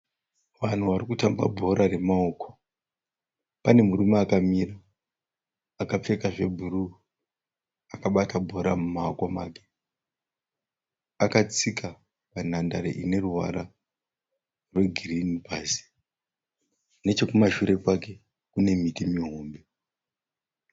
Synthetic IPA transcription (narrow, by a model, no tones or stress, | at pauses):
ʋan̤uʋaɾikutamba̰bʱo̞ɾare̞mao̞ko̥ | pane̞muɾumeakamira | kap͡fe̞kaʐe̞bʱuɾu | akaɓatabʱo̞ɾamumaokomaːke | akat͡sika | pan̤andaɾḛʔine̞ruɦa̰ɾa | rwe̞ɡʱirinibʱasi̥ | ne̞t͡ʃe̞kumaʃuɾe̞kwake̞ | kune̞mitimiɦo̞ːmbe